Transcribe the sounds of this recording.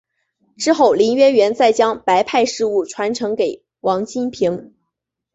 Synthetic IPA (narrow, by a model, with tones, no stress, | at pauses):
ʈ͡ʂɻ̩˥xo˥˩ʊli˧˥nɥɛ˥nɥɛ˧˥nt͡sa˥˩ɪt͡ɕjɑ˥ŋpa˧˥ɪpʰa˥˧ɪʂɻ̩˥˧u˥˩ʈ͡ʂʰwa˧˥nʈ͡ʂʰɤ˧˥ŋke˨˩ɪ | wɑ˧˥ŋt͡ɕi˥npʰi˧˥ŋ